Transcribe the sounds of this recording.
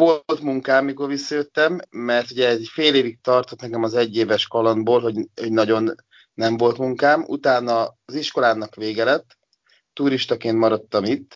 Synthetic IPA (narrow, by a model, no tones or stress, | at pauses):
o̞lt̪muŋkaːmːikorʋisːɒjøt̪ːɛmːɛrt̪uɟɛɛzicfeːleːvik̚t̪ɒrt̪o̞t̪nɛkɛmɒzɛɟːeːvɛʃkɒlonboːlɦo̞ɟoɟnɒɟo̞nː | ɛɱvo̞lt̪muŋkaːmṵt̪aːnɒːziʃko̞laːnɒkʋeːɡɛlɛt̪ː | uɾiʃt̪ɒkeːnt̪mɒɾɒt̪ːɒmit̪ː